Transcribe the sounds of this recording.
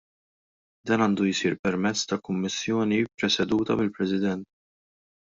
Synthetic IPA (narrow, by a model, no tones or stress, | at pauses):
d̪ɐːnɐːnd̪ujsiːɾpɛɾmɛt͡sːt̪ɐkʊmːɪsːjɔːnipɾɛsɛd̪uːt̪ɐ̰mɪlpɾɛsɪd̪ɛnt̪